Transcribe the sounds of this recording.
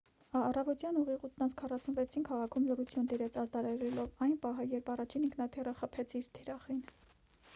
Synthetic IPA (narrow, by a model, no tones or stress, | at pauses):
ɑɑrɑvɔt̪jɑnuʁiʁut̪nɑnt͡sʰkʰɑrɑsunvɛt͡sʰinkʰɑʁɑkʰumlərut͡sʰjund̪iɾɛt͡sʰɑzd̪ɑɾɑɾɛlɔvɑjnpɑɦəjɛɾpɑrɑt͡ʃʰiniŋkʰnɑt̪ʰɛrəχəpʰɛt͡sʰiɾt̪ʰiɾɑχin